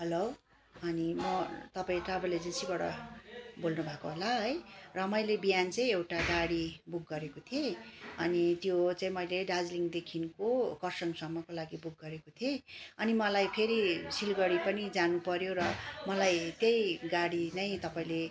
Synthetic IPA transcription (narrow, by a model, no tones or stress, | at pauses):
ɦʌlow | ʌnimʌt̪ʌpaĩʈrabʌrled͡zensibaɽʌ̰bolnubʱakoɦolaɦʌjrʌmʌjlebijant͡sʌj̃ewʈaɡaɽibuk̚ɡʌɾekot̪ʰieʌnit̪jot͡saĩmʌjleɖad͡zliŋɡd̪ekʰinkokʌrsʌŋsʌmːʌkolaɡibuk̚ɡʌɾekot̪ʰieʌnimʌlajpʰeɾisilɡʌɽipʌnid͡zanupʌɾjorʌmʌlajt̪jʌjɡaɽinʌj̃t̪ʌpaĩle